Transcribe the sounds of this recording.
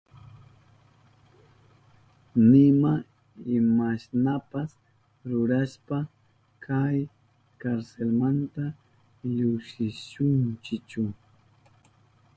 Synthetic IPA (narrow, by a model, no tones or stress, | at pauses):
nɪma | ɪmasnapas | ɾʊɾaspa | kʰaj | kaɾselmant̪a | ʎʊkʃɪʃʊnt͡ʃɪt͡ʃʊ